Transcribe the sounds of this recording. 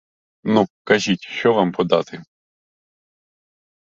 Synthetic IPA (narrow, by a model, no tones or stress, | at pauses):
nukɐʒʲitʲʃt͡ʃɔʋɑmpɔd̪ɑ̰t̪ɪ